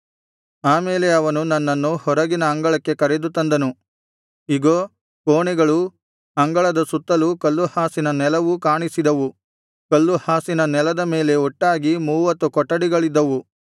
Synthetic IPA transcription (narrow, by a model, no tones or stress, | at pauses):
aːmeːleɐʋɐnunɐnːɐnːuhɔɾɐɡinɐːŋɡɐɭɐkːe̞kɐɾed̪ut̪ɐnd̪ɐnu | iɡoː | koːɳɛɡɐɭu | ɐŋɡɐɭɐd̪ɐsut̪ːɐlukɐlːuhaːsinɐnɛlɐʋukaːɳisid̪ɐʋu | kɐlːuhaːsinɐnɛlɐd̪ɐme̞ːle̞ɔʈːaːɡimuːʋɐt̪ːukɔʈːɐɽiɡɐɭid̪ːɐʋu